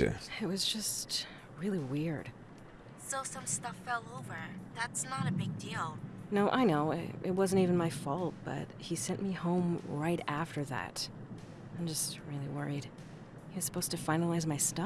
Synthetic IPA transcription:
ɨ̰ɪt̚wʌzd͡ʒʌst | ɹɪlˠiwɪɹd̥ | soʊsʌ̃mstʌfɛlˠoʊvə˞ðætsnəɾɨbɪɡ̚dilˠnoʊʔaɪnoʊ̰ʔɪ̰t̚wʌz̃n̩tivɨ̃n̩maɪfɔlˠt̚b̥ʌ̰t̚hisɛ̃nʔmihõʊ̃mɹaɪɾæftə˞ðæ̰t | ãɪ̃md͡ʒʌst̚ɹɪlˠiwɜ̰˞id̥ | hiɨz̥sə̥pʰoʊz̥tʰɨfãɪ̃nəlˠaɪzmaɪstʌ

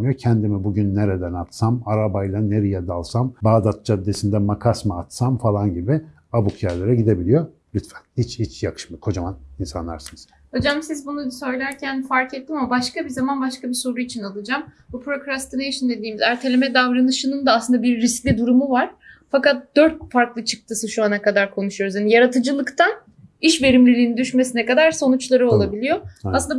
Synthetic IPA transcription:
mɯjocʰɛnd̪imibuɟynːeɾed̪ænat̪samaɾabajlˠaneɾijɛd̪alˠsambaːd̪at̪̚d͡ʒad̪ːesind̪ɛmakʰasmaat̪samfalˠanɟibi | abukʰjaɾlˠaɾaɟid̪e̞bilʲijo | lʲyt̪fænhit͡ʃhit͡ʃjakʰɯ̥ʃmɯkʰo̞d͡ʒamaninsanlˠaɾsɯnɯz̥ | ho̞d͡ʒamsizbunusø̞jlʲæɾcʰænfaɾket̪ːimamabaʃkabizamanbaʃkabiso̞ɾuit͡ʃʰinalˠɯd͡ʒam | bupʰɾokɾast̪ɯnejʃɯnd̪e̞d̪iːmizæɾt̪ʰelʲemɛd̪avɾanɯʃɯnɯnd̪aːslˠɯnd̪abiɾːiscʲlʲid̪uɾumuvaɾ̥fakat̪̚d̪̥øɾt̪̚faɾklˠɯt͡ʃʰɯ̥k̚t̪ʰɯsɯʃuanakad̪aɾkʰo̞nuʃujo̞ɾuzhanijaɾat̪ʰɯd͡ʒɯlˠɯkt̪ʰan | iʃve̞ɾimlʲilʲiːnid̪yʃme̞sinɛkad̪aɾso̞nut͡ʃlˠaɾɯolˠabilʲijo̞aslɯnd̪

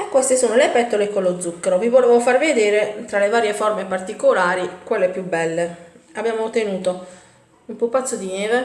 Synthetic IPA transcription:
ɛkːwɛst̪esoːnolepɛt̪ːolekolod̪zːukːeɾovivoleːvofarved̪eːɾet̪ɾalevaːɾjefɔrmepart̪ikolaːɾikwelːepjubːɛlːeabjaːmot̪enuːt̪o | umpupːat̪sːod̪ineːve

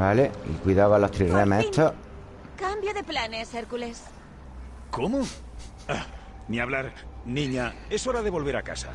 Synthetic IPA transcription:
aleḭkwiðaβalot̪ɾiremet̪ʰo | kambjoðe̞planeseɾkules | komo | a | niaβlaɾnĩɲaesoɾaðeβo̞lβeɾaka̰sa̰

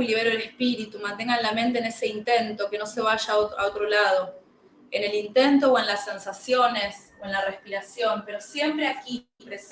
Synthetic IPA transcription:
iliβeɾoelehpiɾit̪umant̪e̞ŋɡanlamẽnt̪̬eːnese̞int̪e̞nt̪o̞ke̞no̞se̞β̞aʒaoa̰ot̪ɾolað̞o̞ | ene̞lint̪e̞nt̪o̞oe̞nlasːe̞nsasjo̞ne̞s | oe̞nlarespiɾasjo̞mpe̞ɾo̞sje̞mpɾeaki | pɾes

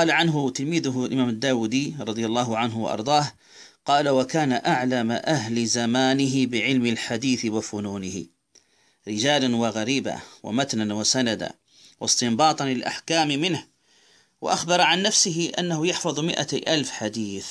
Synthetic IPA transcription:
qɑːlaʕanɦʊt̪ɪlmiːðʊɦlʔɪmaːmad̪ːaːwud̪iɾˤɑd̪ˤɨjalˤːɑːɦʊʕanɦwɑ̰ʔɑ̰ɾˤd̪ˤɑːh | qɑːlawakaːnaʔaʕlamaʔaɦlɪzamaːnɪɦɪbɪʕɪlmɪlħad̪iːθɪwɪfʊnuːnɪhɪ̰ | ɾɪd͡ʒaːlanwɪɣaɾiːba̰wɪ̰mat̪nanwasanad̪a̰ | wɪst̪ɪmbɑːt̪ˤɑnlɪlʔa̰ħkaːmmɪnh | wɪ̰ʔaxbɑɾˤʕanːafsɪɦɪʔa̰nːahʊjɑħfɑðˤmɪʔa̰ʔalfħad̪iːθ

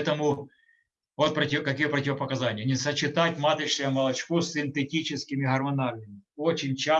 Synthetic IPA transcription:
t̪əmʊ | vot̪̚pɾɐtʲɪkɐkʲijɛpɾɐtʲɪʋɐpɐkɐzanʲɪjɐnʲɪsɐt͡ɕɪt̪at̚ʲmat̪ɐjʂɪjɐmɐlˠɐt͡ɕkosʲɪnt̪etʲit͡ɕɪskʲɪmʲɪɦɐrmɐnalʲnɪmʲɪ | ot͡ɕɪnʲt͡ɕa

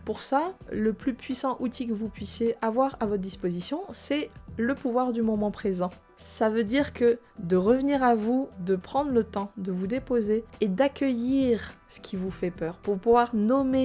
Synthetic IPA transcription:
puʁsaləplypɥisɑ̃ʔut̪ikəvupɥisjeʔavwaʁavɔt̪χəd̪ispozisjɔ̃sɛləpuvwaʁd̪ymɔmɑ̃pχezɑ̃ | savød̪iʁkə | d̪əʁəvəniʁavud̪əpχɑ̃d̪ʁlət̪ɑ̃d̪əvud̪epozeːd̪akʲəjiʁsə̥kʲʰivufɛpœːʁpuʁpuvwaʁnɔme

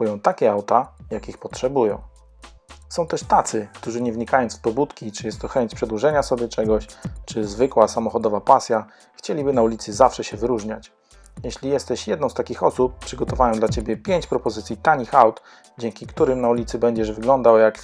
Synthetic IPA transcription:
ujɔ̃w̃t̪akʲɛawt̪ajakʲixpɔtʂɛbujɔ̰̃w̃ | sɔ̃w̃t̪ɛʂt̪at̪sɘkt̪uʐɘɲɛvɲikajɔ̃nsfpɔbut̪kʲit͡ʂɨjɛst̪ːɔxɛɲt͡ɕpʂɛd̪wuʐɛɲasɔbʲjɛt͡ʂɛɡɔɕt͡ʂɘzvɘkwasamɔxɔd̪ɔvapasʲja | xt͡ɕelʲibɘnaulʲit̪sɘzafʂɛɕɛvɘɾuʐɲat͡ɕ | jɛɕlʲijɛst̪ɛɕjɛd̪nɔ̃w̃st̪akʲixɔsup̚pːʂɘɡɔt̪ɔvajɔ̃w̃d̪lat͡ɕebʲjɛpʲjeɲt͡ɕpɾɔpɔzɘt̪sʲjit̪aɲixawt̪ | d͡ʑɛŋkʲikt̪uɾɘmnaulʲit̪sɘbɛɲd͡ʑɛʐvɘɡlɔnd̪awjak

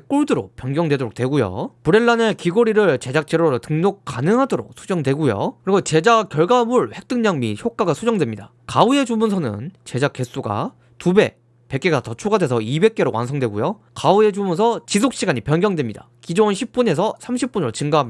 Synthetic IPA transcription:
k͈oɭdɯɾop͈jʌnɡjʌŋdwe̞doɾok̚t͈we̞ɡujo̰puɾe̞ɭːane̞kiɡoɾiɾɯɭt͡ɕe̞d͡ʑak̚t͡ɕ͈eɾoɾtɯŋɲok̚k͈anɯŋɦadoɾo̰k̚sʰud͡ʑʌŋdwe̞ɡujo̰kɯɾiɡot͡ɕe̞d͡ʑak͈jʌɭɡamuɭɸe̞k̚t͈ɯŋɲaŋmiçjok͈aɡasʰud͡ʑʌŋdwe̞mɲida | kaue̞d͡ʑumunsʰʌnɯ̰nt͡ɕe̞d͡ʑak͈e̞s͈uɡa̰ | tube̞ | pe̞k͈eɡatʌt͡ɕʰoɡadwe̞sʰʌibe̞k͈e̞ɾowa̰nsʰʌŋdwe̞ɡujo | kaue̞d͡ʑumunsʰʌt͡ɕis̬ʰok̚ɕ͈iɡaɲipjʌnɡʲjʌŋdwe̞mɲida̰ | kid͡ʑonɕʰip̚p͈uɲe̞sʰʌsʰamɕʰip̚p͈unɾot͡ɕɯŋɡaɦam

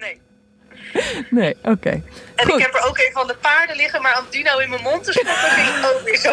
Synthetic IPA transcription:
nej | nejʔowkḛjɛnχɪuɛpəɹowkejvəɑndəpaːɹdəlɪχəmaːɹɔmdinowɪnməmɔntɪsɔnətiləkowʋɪso

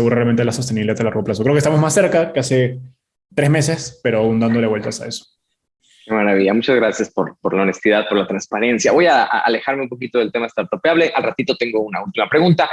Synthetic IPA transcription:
eɣuɾarealme̞nlaso̞s̬t̪eniβiliat̪alaɾɣo̞plaso̞kɾeokest̪amozmasːe̞ɾkakease̞ | t̪ɾe̞zme̞se̞speɾoaund̪and̪o̞le̞we̞lt̪asa̰e̞so̥ | kemaɾaβ̞iʝamut͡ʃazɣɾasjaspoɾpoɾlaonest̪iðað̚po̞ɾlat̪ɾanspaɾe̞nsjaβo̞ja̰ːle̞xaɾmeũmp̬o̞kit̪o̞ðe̞lt̪e̞maest̪aɾt̪opjaβle̞ʔalrat̪it̪ot̪e̞ŋɡounault̪imapɾeɣunt̪a

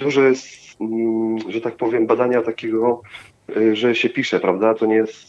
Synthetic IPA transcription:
d̪uʐɔjɛst̪ | ʐɛt̪ak̚pɔvʲjɛmbad̪aɲat̪akʲɛɡɔ | ʐɛɕɛpʲiʂɛpɾavd̪at̪ɔɲɛjɛst̪

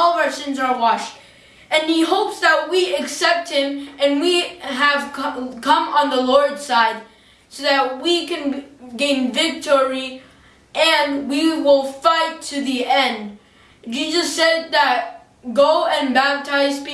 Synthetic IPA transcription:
ɔlˠʌvə˞sɪ̃nzə˞wɑʃt̚ | ɨ̃niɦoʊpsðət̚wiɨksɛp̚t̚hɪ̃mɨ̃nwiəv̥ʰkʰʌ̃mə̃nðəlɔɹdsaɪd̚ | soʊðɨt̚wikɨ̃nɡẽɪ̃nvɪk̚tʰɔɹi | ʔɨ̃nwiwɪlˠfaɪtʰɨðiɛ̃nd | d͡ʒizʌsɛd̪̚ðɨt̚ | ɡoʊɨ̃nbæp̚tʰaɪzpi

